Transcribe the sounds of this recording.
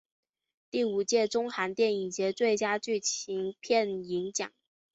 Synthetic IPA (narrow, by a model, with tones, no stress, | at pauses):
t̪i˥˩u˨˩t͡ɕjɛ˥˩ʈ͡ʂʊ˥ŋxa˧˥nt̪jɛ˥˩ni˨˩ŋt͡ɕjɛ˧˥t͡swe˥˩ɪt͡ɕja˥t͡ɕy˥˩t͡ɕʰi˧˥ŋpʰjɛ˥˩ni˧˥ŋt͡ɕjɑ̰˨˩˦